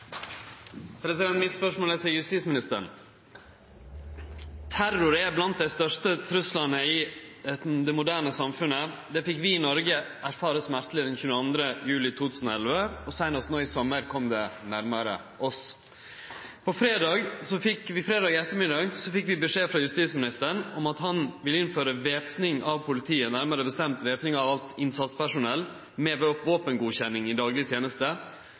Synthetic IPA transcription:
pʰɾɛsɪd̪ɛnmɪt̪spœʂmoːlɛt̪ɪljʉst̪iːt̪smɪnɪst̪əɳ | t̪ʰæɾʊɾeːblɑnt̪̚d̪æɪst̪œʂʈət̪ʰɾʉslɑnəɪ | d̪ɛmʊd̪æːɳəsɑmfʉnə | d̪ɛːfɪkːʋɪɪnɔɾɡəʔæɾfɑːɾəsmæɾt̪lɪd̪ɛnçʉnɑnd̪ɾəjʉːlɪt̪ʰuːt̪ʰʉːsnɔɛlʋəɔsæɪnɔst̪noːɪsɔməɾkʰɔmd̪ɛnæɾməɾə̰ | ʔɔs | pʰɔfɾeːd̪ɑːɡsɔfɪkʋɪfɾeːd̪ɑːɡɪɛt̪ːəɾmɪd̪ɑːɡsɔfɪkːʋɪbəʂeːfɾɑjʉst̪iːsmɪnɪst̪əɾəɳɔmɑt̪ɦɑnʋɪlɪnføːɾəʋeːpnɪŋɑʋpʰʊlɪt̪ʰiːənæɾməɾəbəst̪ɛmt̪ʋeːpnɪŋɑʋɑlt̪ɪnsɑt̪spʰæʂʊnɛlː | mɛːbəɔpʋoːpənɡuːçɛnːɪŋɪd̪ɑːɡlɪt̪ʰjeːnəst̪ə

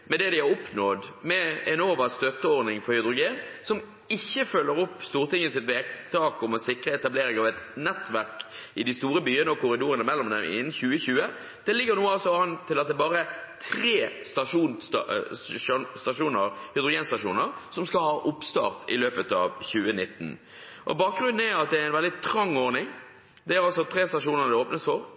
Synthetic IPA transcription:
mɛd̪ɛd̪ɪɑɾɔpnɔd̪mɛɛnoːʋəst̪œt̪ːəoːɾnɪŋfɔɾhʏd̪ɾʊɡeːnsɔm | ɪçːəfœlːəɾɔpːst̪uːʁt̪ɪŋːəsɪt̪ʋeːɡt̪ʰɑːkɔmɛsɪkɾəɛt̪ɑbleːɾɪŋɑʋɛt̪nɛt̪ʋæʁkɪd̪ɪst̪uːɾəbyːənəɔkʊɾɪd̪uːɾənəmɛlːɔmd̪ɛmɪ̰nːn̩çʉːəçʉːə | d̪̥ɛlɪɡːəɾnuːəɑlsɔɑnt̪ʰːɪlɑt̪d̪ɛbɑːɾət̪ʰɾeːst̪ɑʂuːn | st̪ɑʂuːnəɾhɪd̪ɾʊɡeːnst̪ɑʂṵːnəɾsɔmskɑlhɑːʔʊpst̪ɑ̰ːʁt̪ʰɪ̰løːpət̪ɑ̰ːʋçʉːənɪt̪ːn̩ | ʔɔ̰bɑːk̚ɡɾʉnd̪n̩æɾɑt̪̚d̪ɛææɪnʋɛld̪ɪt̪ʰɾɑŋːɔɾnɪŋ | d̪ɛæːɾɑlsɔt̪ʰɾeːst̪ɑʂuːnəɾd̪ɛoːpnəsfɔɾ

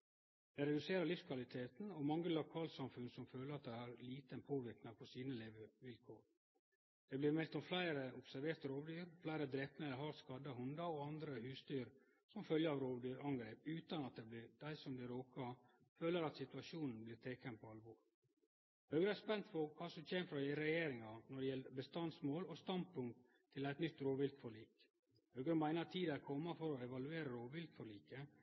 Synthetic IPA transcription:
d̪̥ɛɪɾɛd̪ʉseːɾəɭɪfskʰʋɑlɪt̪ʰeːt̪n̩ɔmɑŋːəlʊkʰɑːlsɑmfʉnsɔmføːləɾɑt̪̚d̪æɪhɑɾliːt̪ənpʰoːʋɪɾknɑpʰɔsiːnəleːʋəʋɪlkʰoːɾ | d̪̥ɛblɪːɾmɛlt̪ɔmflæɪɾəʊpsæɾʋeːɾt̪əɾoːʋd̪yːɾflæɪɾəd̪ɾɛp̪meːləɦɑɾskɑd̪ɑɦʉnd̪ɑɔɑnd̪ɾəhʉːst̪yːɾ | sɔmfœljəɾɑʋɾoːʋd̪yːɾɑŋɡɾeːpʉːt̪ɑnɑt̪̚d̪ɛblɪd̪̥æɪsɔmd̪ɪɾoːkɑ | føːləɾɑt̪sɪt̪ʉɑʂuːnn̩blɪːt̪ʰeːkənpʰɔɑlʋɔːɾ | hœʉɡɾəæspɛnt̪fɔkʰɑːsɔmçeːməfɾɑd̪ɪɾɛjeːɾɪŋɑnɔɖɛjɛləbəst̪ɑnsmoːlɔst̪ɑn̚pʰʊŋk̚t̪ʰːɪlæɪt̪nʏt̪ːɾoːʋɪlt̪fɔɭiːk | hœːɡɾəmæɪnɑt̪ʰiːd̪æɾkʰɔmːɑfɔɾɔɛʋɑlʉeːɾəɾoːʋɪlt̪fɔɭiːkə

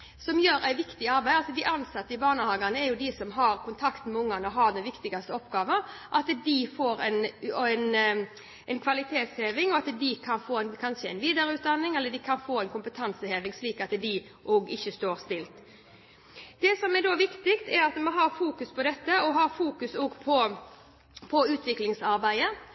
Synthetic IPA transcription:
sɔmjøːɾæɪʋɪkt̪ɪɑɾbæɪɑlsɔd̪ɪʔɑnsɑt̪ːəɪbɑːnəhɑːɡɑnəɛɾjʊd̪ɪsɔmɦɑɾkʰʊnt̪ʰɑkt̪mɛʊŋːɑnɔɦɑɾd̪ɛnʋɪkt̪ɪɡɑst̪əɔpɡɑːʋəʔɑt̪d̪ɪfoːɾɛnɛn | ɛnkʰʋɑlɪt̪ʰeːt̪sheːʋɪŋɔɑt̪d̪ɪkʰɑnfoːɛnkʰɑnʂəɛ̰ɪnʋiːd̪ɑɾʉːt̪̚d̪ɑnːɪŋɛlːəɖɪkʰɑnfoːɛnkʊmpət̪ʰɑnsəheːʋɪŋsliːkɑt̪d̪ɪ | ʔoːɡɪçːəst̪oːɾst̪ɪlt̪ | d̪̥ɛsɔmɛɾɖoʋɪkt̪ɪkt̪ɛɾɑt̪mɑnɦɑɾfuːkʉspʰɔd̪ɛt̪ːəɔɦɑɾfuːkʉsoːɡpʰɔ | pʰɔʉːt̪ʋɪklɪŋsɑɾbæɪə

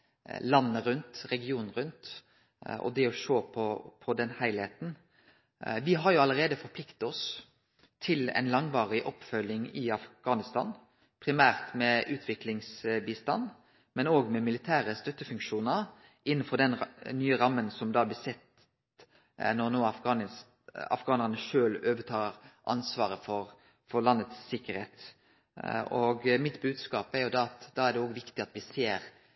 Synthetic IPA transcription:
lɑnːəɾʉnt̪ɾɛɡɪuːnnʁʉnt̪ | ɔ̰d̪ɛɔʃoːpʰɔpʰɔd̪ɛnhæɪlheːt̪n̩ | ʋɪɦɑɾjʊɑləɾeːd̪əfɔɾpʰlɪkt̪ɔs | t̪ʰɪlɛ̰nlɑŋʋɑːʁɪʔɔpfœlːɪŋɪɑfɡ̥ɑːnɪst̪ɑ̰ːn | pʰɾɪmæːʁt̪mɛʔʉːt̪ʰʋɪklɪŋsbiːst̪ɑ̰nː | mɛnoːɡmɛmɪlɪt̪ʰæːɾəst̪œt̪ːəfʉŋkʃuːnəɾ | ʔɪnːənfɔd̪ɛnnyːəɾɑmːənsɔmd̪ɑːblɪsɛt̪ | nɔʁnoːɑfɡɑn | ɑ̰fɡɑːnɑnəʃøːløːʋət̪ʰɑːɾʔɑ̰nsʋɑːɾəfɔɾ | fɔɾlɑnːət̪sːɪkːəɾheːt̪ | ɔɡmɪt̪bʉːd̪skɑːpæɾjʊd̪ɑɑt̪d̪ɑːæʁd̪ɛoːɡʋɪkt̪ɪɑt̪ʋɪseːɾ

